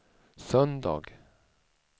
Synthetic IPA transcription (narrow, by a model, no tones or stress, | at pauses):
sœnd̪ɑ̰ːɡ